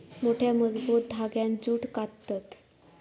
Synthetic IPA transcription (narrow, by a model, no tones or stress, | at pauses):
moʈʰjaməd͡zbut̪̚d̪ʱaɡjãnd͡zuːʈkat̪at̪